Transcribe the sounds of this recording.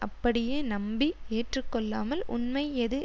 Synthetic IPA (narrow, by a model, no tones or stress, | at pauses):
ʔɐpːɐɽɪjeːnɐmbieːʈrɯkːɔɭːaːmɐlʔʊ̰nmɐɪɛðɯ